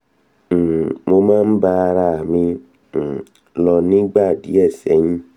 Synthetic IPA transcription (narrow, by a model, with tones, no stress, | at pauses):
m̩˨mo˦mã˦m̩˦ba˦ɾa˦˨mĩ˦˨ | lɔ˨nĩ˦ɡ͡ba˦˨dḭ˨˦ɛ˦˨sɛ˨˦ɲĩ˦